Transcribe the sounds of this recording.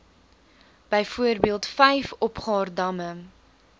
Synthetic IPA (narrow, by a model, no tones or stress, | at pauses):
b̥əjfuərbiəlˠtfɛjfɔpχɑːrdɐmə